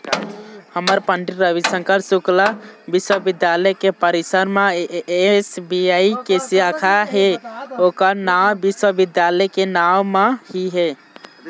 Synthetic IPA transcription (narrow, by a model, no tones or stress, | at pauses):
həməɾpəɳɖiɾɾəbisə̃ŋkəɾsuklabiswəbid̪jaləjkepəɾisəɾmeesbiaikesiakʰaɦeokənawbiswəbid̪jaləjkenawmehiɦe